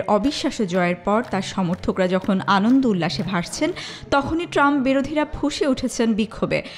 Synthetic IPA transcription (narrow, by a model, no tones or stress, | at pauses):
ɾʔɔbiʃːaʃod͡ʑɔeeɾpɔɾt̪aɾʃɔmoɾt̪ʰokɾad͡ʑɔkʰonanond̪ulːaʃebʱaʃt͡ɕʰen | t̪ɔkʰoniʈɾamp̚biɾod̪ʱiɾabʱuʃeuʈʰet͡ɕʰenbikʰːobḛ